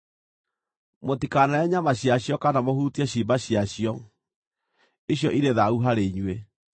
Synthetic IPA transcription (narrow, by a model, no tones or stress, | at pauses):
motikanaɛɲamaɕiaɕjɔkanamohutiɛɕimbaɕjaɕiɔ | eɕjɔʔiɾeðauɦaɾeɲwe